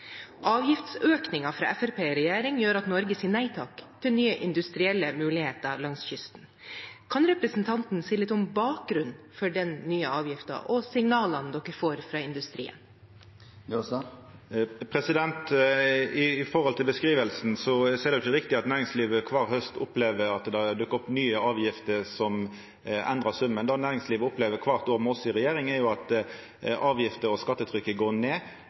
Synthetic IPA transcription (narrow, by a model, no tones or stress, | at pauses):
ʔɑːʋjɪft̪søːknɪŋɑfɾɑ̰ːʔɛfæɾpʰeːɾɛjæːɾɪŋjøːɾɑt̪nɔɾɡəsiːnæɪt̪ʰɑːkt̪ʰɪlnyːəʔɪnd̪ʉst̪ɾɪɛlːəmʉːlɪheːt̪əlɑŋsçʏst̪n̩ | kʰɑnɾɛpɾəsnt̪ʰɑnt̪n̩siːlɪt̪ːɔmbɑːk̚ɡɾʉn | fɔɖɛnːyːəɑːʋjɪft̪ɑ̰ʔɔsɪŋnɑːlənd̪ɔkːəfoːɾfɾɑːɪnd̪ʉst̪ɾḭːə̰n | pʰɾɛsɪd̪ɛnt̪ | ɪfɔɾhɔlt̪ʰɪlbəskɾiːʋəlsn̩sɔseɛd̪ɛɪçəɾɪkt̪ɪɑt̪næːɾɪŋsliːʋəkʰʋɑːɾhœst̪ʊpleːʋəɾɑt̪d̪ɑd̪ʉkːəʊpnyːəɑːʋjɪft̪əɾsɔm | ʔɛ̰nd̪ɾɑsʉmːənd̪ɑnæːɾɪŋsliːʋəʊpleːʋəɾkʰʋɑʁt̪oːmɛɔsɔɪʁɛjeːɾɪŋɛɾjʊɑt̪ | ʔɑːʋjɪft̪əɾɔskɑt̪ːət̪ʰɾʏkːəɡoːneː